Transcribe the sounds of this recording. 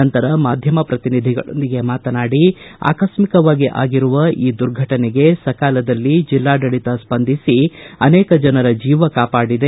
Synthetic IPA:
ɐnt̪ɐɾɐmaːd̪ʱjɐmɐpɾɐt̪inid̪ʱiɡɐ̰ɭo̰nd̪iɡe̞maːt̪ɐnaːɽia̰ːkɐʃmikɐʋaːɡiʔa̰ːɡiɾuʋɐiːd̪uɾɡʱɐʈɐneɡe̞sɐkaːlɐd̪ɐlːid͡ʒilːaːɖɐɭit̪ɐspɐnd̪ʱisiɐnɛːkɐd͡ʒɐnɐɾɐd͡ʒiːʋɐkaːpaːɽid̪e

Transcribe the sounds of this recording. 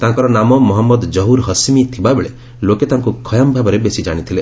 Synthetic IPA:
t̪aɦãŋkɔɾɔnamɔmɔɦɔmːɔd̪d͡ʒɔɦuɾɦɔsimit̪ʰibabeɭe | loket̪aɦãŋkukʰɔjambʱabɔɾebesid͡ʒaɽ̃it̪ʰile

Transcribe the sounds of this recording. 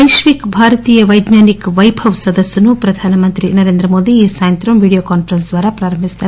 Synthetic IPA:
ɐjʃʋikbʱaːɾɐt̪iːjɐʋɐjd̪naːnikʋɐjbʱɐʋsɐd̪ɐsːɐnupɾɐd̪ʱaːnɐmɐnt̪ɾinɐɾeːnd̪ɾɐmoːd̪iːsaːjɐnt̪ɾɐmʋiːɽijokaːnfɾɐnsd̪ʋaːɾɐpɾaːɾɐmbʱist̪ɐ

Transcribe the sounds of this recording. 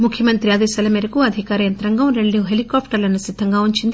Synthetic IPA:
mukʰjɐmɐnt̪ɾiaːd̪eːsaːlɐmeːɾɐkuɐd̪ʱikaːɾɐjɐnt̪ɾɐŋɡɐmɾeɳːiɦelikaːpʈɐɾlɐnːɐsid̪ʱːɐŋɡaːuɲt͡ʃind̪i

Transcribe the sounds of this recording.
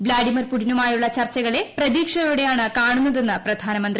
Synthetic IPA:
blaːɖimɐrpuɽinumaːjuɭːɐt͡ɕɐrt͡ɕːɐɣɐɭe̞prɐðiːkʂɐjuːɽe̞jaːɳɨkaːɳunːɐðe̞nːɨprɐd̪ʱaːnɐmɐnd̪ri

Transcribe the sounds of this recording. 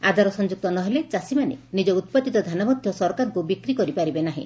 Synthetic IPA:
ad̪ʱaɾɔsɔnd͡ʒuk̚t̪ɔnɔɦelet͡ʃasimanḛnid͡ʒɔut̪̚pat̪it̪ɔd̪ʱanamɔd̪ʱjɔsɔɾkaɾɔŋkubikɾikɔɾipaɾibenaɦḭ̃

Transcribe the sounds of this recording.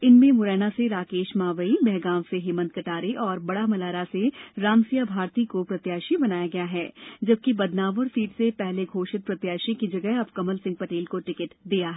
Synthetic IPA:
ɪnmẽmʊɾɛːnaseɾaːkeːʃmaːʋəibɛɦɡaːʋseɦɪːmə̃nt̪̚kɐʈaːɾeʔɔːɾbɐɽamɐlaːɾaseɾaːmsijabʱaːɾt̪ikopɾɐt̪jaːʃibɐnaːjaɡɐjaɦɛːd͡ʒɐb̚kibɐd̪naːʋəɾsiːʈsepɛɦleɡʱoːʃɪt̪̚pɾɐt̪jaːʃikid͡ʒɐɡəɦɐbkɐməlsɪ̃ŋɡ̚pɐʈeːlkoʈɪkɪʈd̪iːjaɦɛ

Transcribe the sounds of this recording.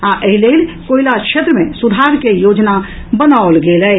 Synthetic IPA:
aʔəɦilelkoilakʃʰet̪ɾəmesud̪ʱaɾkejod͡ʒna | bənaolɡelɛ

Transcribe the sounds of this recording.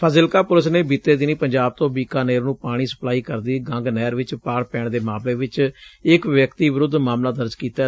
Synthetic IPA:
pʰəzɪlkaːpʊləsneːbiːt̪eːd̪ɪniːpəɲd͡ʒaːb̚t̪õːbiːkaːneːɾnũːpaːɽ̃iːsə̥plaːiːkəɾd̪iːɡə̃ŋɡnɛːɾʋɪt͡ʃpaːɽpɛːɳd̪eːmaːmleːʋɪt͡ʃɪkʋjəkt̪iːʋɪɾʊd̪maːmlaːd̪əɾd͡ʒkiːt̪aː

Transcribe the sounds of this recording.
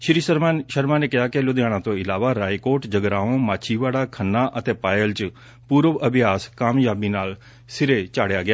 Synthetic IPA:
ʃɾiːsəɾaʃəɾmãːneːkɪɦaːkɪlʊd̪jaːɽ̃ãːt̪õːɪlaːʋaːɾaːikoːɾʈd͡ʒəɡɾaːõːmaːt͡ʃʰiːʋaːɽaːkʰənːaːʔət̪eːpaːjəlt͡ʃ | puːɾəʋəbɪjaːskaːmjaːbiːnaːl | sɪɾeːt͡ʃaːɽjaːɡɪjaː

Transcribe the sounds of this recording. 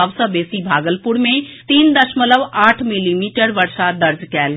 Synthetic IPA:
əʋsəbeːsibʱaːɡəlpuɾmẽt̪iːnd̪əʃmələʋaːʈʰmilimiʈəɾʋəɾʃad̪əɾd͡zkɛːl

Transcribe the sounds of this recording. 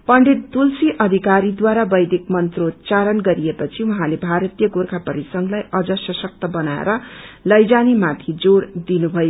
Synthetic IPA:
pʌɳɖit̪̚t̪ulsiʔʌd̪ʱikaɾid̪waɾabʌjd̪ik̚mʌnt̪rot̪t͡saɾʌnɡʌɾiepʌt͡sʰiwuɦãlebʱaɾʌt̪ijʌɡorkʰapʌɾisʌŋlajʌd͡zʌsʌsʌk̚t̪ʌbʌnaḛɾʌlʌjd͡zanimat̪ʰid͡zoɾd̪inubʱʌjo

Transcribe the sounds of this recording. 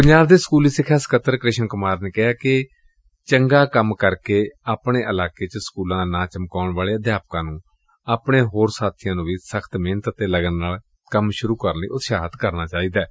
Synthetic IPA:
pəɲd͡ʒaːbd̪eːsə̥kuːliːsɪkʰːaːsə̥kət̪ːəɾkɾɪʃənkʊmaːɾneːkɪɦaːkɪ | t͡ʃəŋɡaːkəmkəɾkeːaːpɳeːʔəlaːkeːt͡ʃəskuːlãːnãːt͡ʃəmkaːɳʋaːleːəd̪jaːp̚kãːnũː | aːpɽeːɦoːɾsaːt̪ʰijãːnũːʋiːsəkʰt̪meːnət̪ət̪eːləɡənːaːl | kəmʃʊɾuːkəɾnḭːʔʊt̪ʃaːɦət̪kəɾnaːt͡ʃaːiːd̪aːɛ

